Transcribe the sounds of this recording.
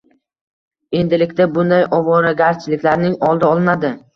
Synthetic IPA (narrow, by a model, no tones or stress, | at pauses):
e̞nd̪ɪlɪkʲt̪abʊnd̪ajʔɒvɒɾaɡʲaɾt͡ʃʰɪlɪkʲlaɾnɪŋɒlˠd̪aɒlˠɪnad̪ɪ